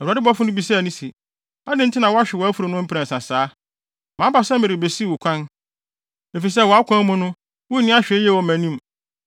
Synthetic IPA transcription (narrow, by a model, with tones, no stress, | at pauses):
ɛ˨a˨dɪ˦bɔ˦fʊ˦nʊ̃˦bi˨sɛ˦˨nĩ˦si˨ | a˦dɪ̃˦n̩˦tʰɪ˦nã˨wɔ˦a˦ɕᶣɪ˨wɔ˨æ˦fu˨ɾo˨nʊ̃˦m̩˦pʰɾæ̃˨n̩˨sã˨saː˨˦ | mãː˨˦ba˨sɛ˦mɪ̃˨ɾɪ˨be˨si˦wʊ˨kʷʰã˦n | e˨fi˨s̬ɛ˦˨wɔ˨a˦kʷʰã˦mʊ̃˦nʊ̃˦ | wʊ˦nɪ̃˦a˦ɕᶣjɛ˦˨wɔ˨mæ̃˨nĩ˦m